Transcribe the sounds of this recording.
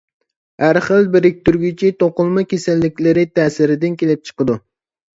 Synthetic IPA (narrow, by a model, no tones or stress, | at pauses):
hæɾχəlˠbɪɾɪk̚ʲt̪ʰyɾɡʲit͡ʃʰit̪oqʊlˠmɑkʲesælːɪkʲlɪɾɪt̪ʰɛːsɪɾɪd̪ɪnkʲʰelɪp̚t͡ʃʰə̥qəd̪u